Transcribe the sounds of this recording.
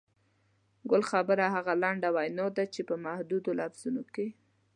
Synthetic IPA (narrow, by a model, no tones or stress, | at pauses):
ɡʊlxabəɾaɦaɣalaɳɖawajnod̪at͡ʃepəmahd̪ud̪olafz̥unoke